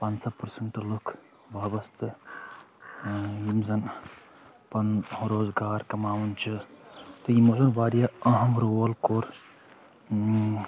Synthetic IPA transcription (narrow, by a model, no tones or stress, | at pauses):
paːnsɐpɐɾsɐɳʈlukʰ | bɐːbɐst̪ɨ | jimzɐn | pɐnhɾoːzɡaːɾkɐmaːwunt͡ʃʰɨt̪ɐjimozɐnʋaːɾjɐɐɦɐmɾoːɐlkoːɾ